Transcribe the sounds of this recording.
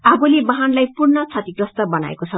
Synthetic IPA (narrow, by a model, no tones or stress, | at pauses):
abolebʌɦanlajpurnʌt͡sʰat̪iɡrʌst̪ʌbʌna̰ḛkot͡sʰʌ